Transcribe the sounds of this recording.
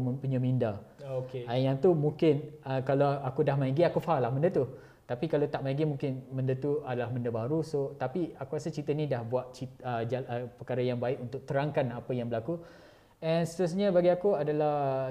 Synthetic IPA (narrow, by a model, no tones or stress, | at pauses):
mə̃mpuɲamindaokeajaŋt̪umũŋkɪnəkalaakudahmaiɡiakufalahmə̃ndət̪u | t̪apikalat̪aʔmaiɡimũŋkɪnmə̃ndət̪uadalahməndəbaɾusot̪apiakuɾasət͡ʃit̪ənĩdahbuat̪̚t͡ʃit̪əd͡ʒaəpəkaɾajaŋbaɪʔkunt̪ʊk̚t̪əɾaŋkanapəjaŋbəlaku | ɛnsət̪əɾasɲãbaɡiakuadala